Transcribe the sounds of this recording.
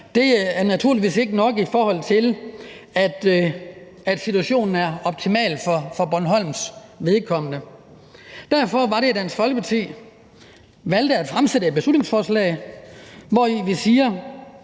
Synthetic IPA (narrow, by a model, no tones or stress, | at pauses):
d̥e̝æɐnæt͡sʰuɐliʋḭːse̝ɡ̥ənɒ̽ɡ̥ifɒːhɒ̽l̰t͡sʰe̝l | æd̥ | æd̥sit͡sʰuæɕo̝̰ːnn̩æɐɒ̽b̥̚t͡sʰimɛ̰ːlfɒfɒ̽b̥ɒnɦɒ̽l̰msʋe̝ð̞ˠkʰɒ̽m̰ənə | d̥æɐ̰fɒ̽ʋɑ̈ɾe̝æd̥ænsfɒ̽lɡ̥əpʰɑ̈t͡sʰḭː | ʋæl̰d̥əæd̥fʁamsedəe̝d̚b̥eslud̥ne̝ŋsfɒːslɛ̰ɪ | ʋɒiʋisiːɐ